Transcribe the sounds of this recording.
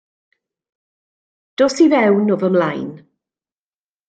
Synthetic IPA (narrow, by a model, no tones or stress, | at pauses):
d̥oːsivɛwnɔvəmlajn